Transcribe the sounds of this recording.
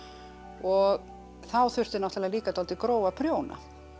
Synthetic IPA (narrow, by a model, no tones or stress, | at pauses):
ɔɣ | θawθʏ̥t̪ɪnawht̪alaliːkat̪ʰɔlt̪ɪkɾoːwvapʰɾjoːwna̰